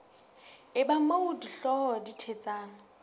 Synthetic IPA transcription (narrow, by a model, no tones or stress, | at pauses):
ɪbamoudiɬɔhɔditʰet͡sʼaːŋ̩